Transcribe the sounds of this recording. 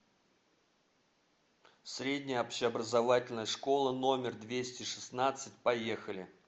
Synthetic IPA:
sɾʲedʲnʲɪjəɐpɕɪɐbɾəzɐvatʲɪlʲnəjəʂko̞lˠəno̞mʲɪrd̪vʲesʲtʲɪʂɨ̥snat̪sɨtʲpɐje̞xəlʲɪ̰

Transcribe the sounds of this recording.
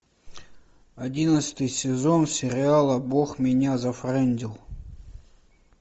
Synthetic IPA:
ɐdʲinət̪sɨ̥t̪ɨjsʲɪzonsʲɪɾʲɪalˠəboxmʲɪnʲazɐfrɛnʲdʲilˠ

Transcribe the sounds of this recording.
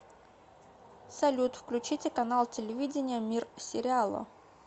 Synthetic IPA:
sɐlʲut̪fklʲʉt͡ɕitʲɪkɐnalˠtʲɪlʲɪvʲidʲɪnʲɪjəmʲirsʲɪɾʲɪalˠə̰

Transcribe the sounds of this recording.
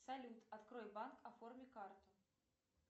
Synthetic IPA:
salʲut̪ɐt̪kɾɔjbankɐfɔrmʲɛkart̪ʊ

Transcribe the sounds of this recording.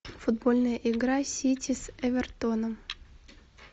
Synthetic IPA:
fʊd̪bolʲnəjəʔɪɡɾasʲitʲisɛvʲɛrt̪onəm

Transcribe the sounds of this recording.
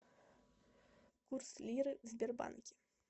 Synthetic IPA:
kurslʲiɾɨzʲbʲerbɑ̰nkʲi̥

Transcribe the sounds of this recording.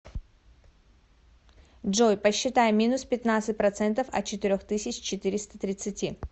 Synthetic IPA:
dʐojpəɕːɪt̪ajɪmʲinʊspʲɪt̪nat̪sɨt̚ʲpɾɐt̪sɛnt̪əfɐ̰t̪̚t͡ɕɪt̪ɪɾʲoxt̪ɨsʲɪt͡ɕt͡ɕɪt̪ɨɾʲɪst̪ət̪ɾʲɪt̪sɨtʲi

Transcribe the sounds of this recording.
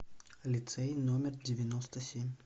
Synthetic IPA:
ɐlʲit̪sɛjnɔmʲɛrd͡zʲɪvʲanɔst̪ɐsʲemʲ

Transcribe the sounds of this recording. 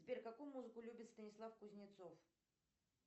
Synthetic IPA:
zʲbʲeɾʲkɐkujmuzɨkʊlʲubʲɪt̪st̪ənʲɪslˠafkʊzʲnʲɪt̪sof

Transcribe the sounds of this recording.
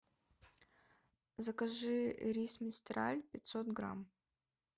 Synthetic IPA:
zɐkɐʐɨɾʲismʲɪst̪ɾa̰lʲpʲɪt̪ʲsot̪ɡɾa̰m

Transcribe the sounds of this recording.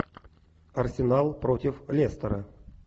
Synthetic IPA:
ɐrsʲɪnalˠpɾotʲɪflʲest̪əɾə

